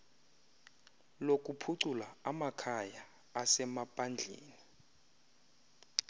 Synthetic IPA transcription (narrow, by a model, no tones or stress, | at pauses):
lok̬ʼupʰuǀulaamakʰajaː | sɛmapʼand͡ɮʱḛːni